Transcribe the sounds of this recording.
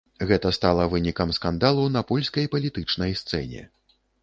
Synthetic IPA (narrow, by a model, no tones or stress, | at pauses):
ɣɛt̪ɐst̪alˠɐvɨnʲikɐmskand̪alˠunɐpɔlʲsʲkɐjpɐlʲit̪ɨt͡ʂnɐjst̪sɛ̰nʲɛ̰